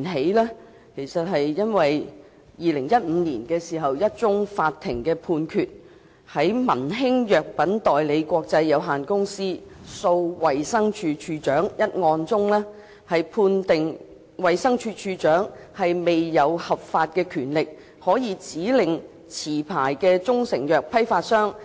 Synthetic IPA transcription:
nɦe˨˥jlɛː˥ | kʰe˨˩jsɐ˨t̚ɦɐ˨jjɐ˥nwɐ˨j | jiː˨˧lɪ˨˩ŋjɐ˥t̚m̩ː˨˧niː˨˩nkɛː˧siː˨˩ɦɐ˨wjɐ˥t̚t͡sʊ˥ŋfaː˧t̪ʰːɪ˨˩ŋkɛː˧pʰuː˧nkʰyː˨t̚ | hɐ˨˥jmɐ˨˩nɦɪ˥ŋjœː˨k̚pɐ˨˥nt̪ɔː˨˩jle˨˧jkʷɔː˧k̚t͡sɐ˧jːɐ˨˧wɦaː˨nkʊ˥ŋsiː˥so˧wwɐ˨jsɐ˥ŋt͡ʃʰyː˧t͡ʃʰyː˧t͡ʃœː˨˥ŋjɐ˥t̚ŋɔː˧nt͡sʊ˥ŋlɛː˥ | hɐ˨jpʰuː˧nt̪ɪ˨ŋ | wɐ˨jsɐ˥ŋt͡ʃʰyː˧t͡ʃʰyː˧t͡ʃœː˨˥ŋhɐ˨jme˨jːɐ˨˧whɐ˨p̚faː˧t̚kɛː˧kʰyː˨˩nlɪ˨k̚ | hɔː˨˥jiː˨˧t͡siː˨˥lɪ˨ŋ | t͡sʰiː˨˩pʰaː˨˩jkɛː˧t͡sʊ˥ŋsɪ˨˩ŋjœː˨k̚pʰɐ˥jfaː˧t̚sœː˥ŋ

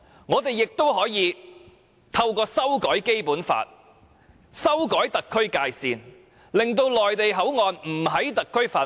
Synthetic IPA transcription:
ŋɔː˨˧t̪e˨˩jːɪ˨k̚t̪o˥wɦɔː˨˥jiː˨˧ | t̪ʰɐ˧wkɔː˧sɐ˥wkɔː˨˥jke˥jpuː˨˥nfa̰ː˧t̚ | sɐ˥wkɔː˨˥jt̪ɐ˨kʰːɵ˥ɥkaː˧jsiː˨n | lɪ˨ŋt̪o˧wlɔː˨˩jt̪e˨jɦɐ˨˥wŋɔː˨˧nm̩˨˩ɦɐ˨˥jt̪ɐ˨kʰːɵ˥ɥfaː˨˧

